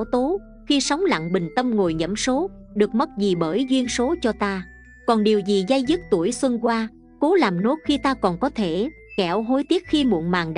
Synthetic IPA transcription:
wt̪o˨˦ | xi˧sa˨˦wŋ͡mla̰˧˨ŋɓï˨˩ŋ̟t̪ə˧mŋo˨˩jɲə̰˧˩mso˨˦ɗɨ˨˩ək̚mə˦˥t̚zi˨˩ɓəː˧˩jzwi˧ənso˨˦t͡ɕɔ˧t̪aː˧ | kɔ˨˩nɗi˨˩əwzi˨˩za˧jzɨ˦˥t̚t̪u˧˩əjswə˧nkwaː˧ | ko˨˦laː˨˩mno˦˥t̚xi˧t̪aː˧kɔ˨˩nkɔ˨˦t̪ʰe˧˩ | kɛ˧˩wɦo˧jt̪i˦˥ət̚xi˧mṵ˧˨ənmaː˨˩ŋɗ

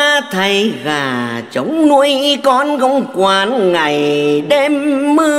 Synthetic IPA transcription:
t̪ʰə˨˩jɣaː˨˩t͡ɕə˨˦wŋ͡mnu˧˥əjkɔ˧˥nɣə˧wŋ͡mkwaː˧nŋa˨˩jɗe˧mːɨ˧

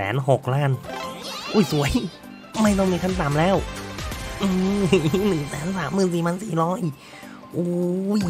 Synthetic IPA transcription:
ɛ̰ː˩˦nɦo˨˩k̚laː˥˩n | ʔuː˧˩jsu˩˦əj | ma˧˥˩jt̪ɔ˧˩ŋmiː˧˩kʰa˧˥˩nt̪aː˨˩˦mlɛː˦˥˩w | ʔɯː˧˩nɯ˨˩ŋsɛː˨˩˦nsaː˩˦mːɯː˨˩nsiː˨˩mʰaː˧˥nsiː˨˩ɾɔː˦˥ʔiː˨˩k̚ | ʔuː˧˩j

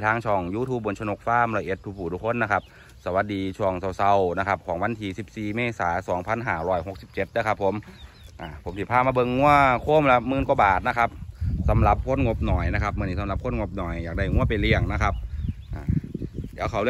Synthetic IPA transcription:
t̪ʰaː˧˩ŋt͡ɕʰɔː˧˩ŋjuː˧˥˩t̪ʰuː˧˩p̚bo˧˨nt͡ɕʰno˧˩k̚faː˧˥˨mlɔː˧˩jʔe˧˩t̪ʰːu˧kpʰːuː˨˩t̪ʰuː˧˥kʰo˧˥˨nːa˦˧kʰa˦˧˥p̚ | sa˧wa˨˧˦t̪̚diː˨˧t͡ɕʰu˧˩əŋsa˧˩wsa˧wna˦˧kʰa˦˧˥p̚kʰɔː˨˦ŋwa˧˥˨nt̪ʰiː˧si˨˩p̚siː˨˩meː˧˥˨saː˩˦sɔː˩˦ŋpʰa˧˥˨nɦaː˨˧˩ɾɔː˧˥˩jɦo˧˦k̚si˨˧˩p̚t͡ɕe˧˩t̪̚dɯː˧˨kʰa˦˥pʰːo˨˦m | ʔaː˨˩pʰo˨˦mt̪iː˧˩pʰaː˧˥˩maː˧˩bɤ˧ŋːu˧˥˩ɐkʰoː˧˥˩mlɛ˧˥mɯː˧˨nku˧˦baː˨˩t̪̚na˦˧kʰa˧˦˥p̚sa˨˦mla˧˦p̚kʰo˧˥˨nŋo˧˥p̚nɔː˨˩jna˦˥kʰa˦˥p̚mɯ˧˨niː˧˩a˨˦la˧˦p̚kʰo˧˥˨nŋo˧p̚nɔː˨˩jːaː˨˩da˧˥˩jŋu˥˩ɐpa˨jli˧˩əŋna˦˥kʰa˦˧p̚ | ʔaː˨˩i˧˥˧kʰa˨˩wlɯ˧

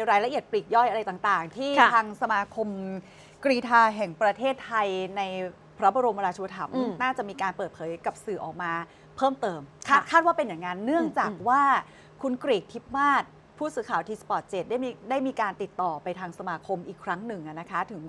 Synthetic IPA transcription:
ɾaː˧jɾa˧˥ʔi˨˩ət̪̚pli˨˩k̚jɔ˥˩jʔa˧ɾa˧jt̪aː˨˩ŋt̪aː˨˩ŋt̪ʰiː˥˩tʰaː˧ŋsa˧maː˧kʰo˧m | kɾiː˧t̪ʰaː˧ɦɛ˨˩ŋpɾa˧t̪ʰeː˥˩t̪ʰːa˧jna˧j | pʰɾa˦˥bɔ˧ɾo˧ma˧ɾaː˧t͡ɕʰu˧t̪ʰa˧˩mnaː˥˩t͡ɕa˨˩ʔmiː˧kaː˧npɤː˨˩t̪̚pʰɤː˨˦jka˨˩p̚sɯː˨˩ʔɔː˨˩k̚maː˧ | pʰɤː˥˩mt̪ɤː˧mʰa˥˩kʰaː˥˩t̪̚waː˥˩pe˧nja˨˩ŋːa˦˧nːɯ˥˩əŋt͡ɕaː˨˩k̚waː˥˩ | kʰu˧nkɾiː˨˩k̚t̪ʰi˦˥p̚maː˥˩t̪̚ | pʰuː˥˩sɯː˧˦kʰaː˨˩wt̪ʰiː˧˥spɔː˨˩t̪̚t͡ɕeː˨˩t̪̚daː˥˩jda˥˩jmiː˧kaː˧nt̪i˨˩t̪ːɔː˨˩pa˧jt̪ʰaː˧ŋsa˧maː˧kʰo˧mʔiː˨˩kʰɾa˦˥ŋnɯ˨˩ŋʔa˨˩na˦˥kʰa˦˥t̪ʰɯ˩˦ŋ

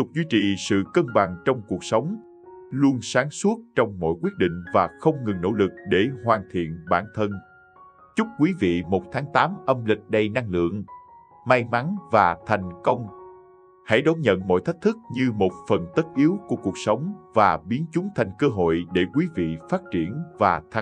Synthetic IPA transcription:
t̪ʊ˨˩k͡p̚zwi˧t͡ɕḭ˨sɨ̰˧˨kəː˧nɓa˨˩ŋt͡ɕɔ˧wŋ͡mku˨˩ək̚sə˨˦wŋ͡m | lu˧ənsaː˨˦ŋsu˦˥ət̚t͡ɕɔ˧wŋ͡mmɔ̰˧˨jkwi˦˥ət̚ɗḭ̈˧˨ŋ̟vaː˨˩xə˧wŋ͡mŋɨ˨˩ŋno̰˧˥lɨ˨˩k̚ɗe˧˩ɦwaː˨˩nt̪ʰḭ˧˨ənɓaː˧˩nt̪ʰə˧n | t͡ɕʊ˦˥k͡p̚kwi˨˦vḭ˧˨mo˨˩t̚t̪ʰaː˨˦ŋt̪aː˨˦mʔə˧mlï˨˩k̟̚ɗə˧jna˧ŋlɨ̰˧˨əŋ | ma˧jma˨˦nvaː˨˩t̪ʰa˨˩jŋ̟kə˧wŋ͡m | ha̰˧˩jɗo˨˦ɲə̰˧˨nmɔ̰˧˨jt̪ʰə˦˥jk̚t̪ʰɨ˦˥k̚ɲɨ˧mo˨˩t̚fə˨˩nt̪ə˦˥t̚ʔi˨˦əwku˧˩əku˨˩ək̚sə˨˦wŋ͡mvaː˨˩ɓi˨˦ənt͡ɕʊ˨˦ŋ͡mt̪ʰa˨˩jŋ̟kəː˧ɦo̰˧˨jɗe˧˩kwi˨˦vḭ˧˨faː˦˥t̚t͡ɕi˧˩ənvaː˨˩t̪ʰa˧˩

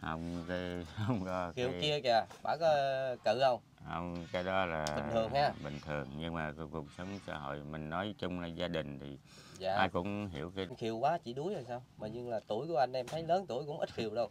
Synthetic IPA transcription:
hə˧wŋ͡mka˨˦hə˧wŋ͡mkɔ˨˦xi˨˩ə˨wki˧əkaː˨˩ɓa̰ː˧˥kɔ˨˦kɨ̰˧˨hə˧wŋ͡m | hə˧wŋ͡mkaː˨˦jɗɔ˨˦laː˨˩i˨ŋʰɨ˨˩əŋhaː˧ɓï˨˩ŋ̟t̪ʰɨ˨˩əŋɲɨ˧ŋmaː˨˩ku˨˩ək̚sə˨˦wŋ͡msa̰ː˧ɦo̰˧˨jmï˨˩ŋ̟nɔ˨˦jt͡ɕʊ˧ŋ͡mlaː˨˩zaː˧ɗï˨˩ŋ̟t̪ʰi˨˩ | za̰ː˧˨˩ʔaː˧jkʊ̰˧˥ŋ͡mɦi˧˩əwki˧nxi˧˩əwkwaː˨˦t͡ɕḭ˧˩ɗu˨˦jzə˨˩saː˧wmaː˨˩ɲɨ˧ŋlaː˨˩t̪u˧˩əjku˧˩əʔa˧jŋ̟ʔɛ˧mt̪ʰə˨˦jləː˨˦nt̪u˧˩əjkʊ̰˧˥ŋ͡mʔi˦˥t̚xi˨˩əwɗə˧w

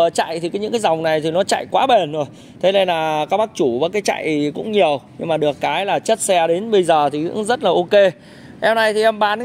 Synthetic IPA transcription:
t͡ɕa̰˧˨jt̪ʰi˨˩kɔː˨˦ɲɨ̰˧˥ŋkaː˨˦za˨˩wŋ͡mna˨˩jt̪ʰi˨˩nɔ˨˦t͡ɕa̰˧˨jkwaː˨˦ɓe˨˩nzo˨˩j | t̪ʰe˨˦ne˧nlaː˨˩kaː˦˥k̚ɓa˦˥k̚t͡ɕu˧˩vəː˨˦kaː˨˦jt͡ɕa̰˧˨jkʊ̰˧˥ŋ͡mɲi˨˩əwɲɨ˧ŋmaː˨˩ɗɨ˨˩əkːaː˨˦jlaː˨˩t͡ɕə˦˥t̚sɛ˧ɗe˨˦nɓə˧jzəː˨˩t̪ʰi˨˩kɨ̰˧˥zə˦˥t̚laː˨˩ʔo˧ke˧ | ʔɛ˧wna˧jt̪ʰi˨˩ʔɛ˧mɓaː˨˦n

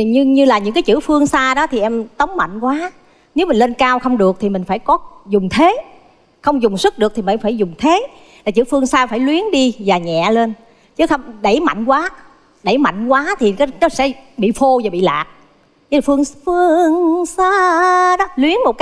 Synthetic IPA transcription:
ɲɨ˧ɲɨ˧laː˨˩ɲɨ̰˧˥ŋkaː˨˦jt͡ɕɨ̰˧˥fɨ˧əŋsaː˧ɗɔ˨˦t̪ʰi˨˩ʔɛ˧mt̪ə˨˦wŋ͡mma̰˧˨jŋ̟kwaː˨˦ | ne˨˦wmi˨˩ŋle˧nkaː˧wxə˧wŋ͡mɗɨ˨˩ək̚t̪ʰi˨˩mï˨˩ŋ̟faː˧˩jkɔ˨˦zʊ˨˩ŋ͡mt̪ʰe˨˦ | xə˧wŋ͡mzʊ˨˩ŋ͡msɨ˦˥k̚ɗɨ˨˩ək̚t̪i˨˩a˨˧faː˧˩jzʊ˨˩ŋ͡mt̪ʰe˨˦ | laː˨˩t͡ɕɨ̰˧˥˦fɨ˧əŋsaː˧faː˧˩jlwi˨˦ənɗi˧vaː˨˩ɲɛ̰˧˨le˧n | t͡ɕɨ˨˦xə˧wŋ͡mɗə˧˩jma̰˧˨jŋ̟kwaː˨˦ | ɗə˧˩jma̰˧˨jŋ̟kwaː˨˦t̪ʰi˨˩ka˨˦nɔ˨˦sɛ̰˧˥ɓḭ˧˨fo˧vaː˨˩ɓḭ˧˨la̰ː˨˩k̚ | fɨ˧əŋfɨ˧əəəəəŋsaː˧ɗɔ˨˦lwi˨˦ənmo˨˩t̚k

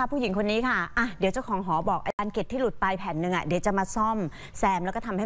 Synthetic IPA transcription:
a˥˩pʰuː˥˩ji˩˦ŋkʰo˧nːiː˦˥kʰa˥˩ʔa˧˩di˨˩˦t͡ɕa˨˩kʰɔː˩˦ŋɦɔː˩˦bɔː˨˩k̚ʔaː˧aː˧nke˨˩t̪ʰːiː˥˩lu˨˩t̪̚pa˧jpʰɛː˩˦nːɯ˧ŋʔa̰˨˩di˩˦wt͡ɕa˨˩maː˧sɔ˥˩m | sɛː˧mlɛː˦˥kɔ˥˩t̪ʰa˧mha˥˩

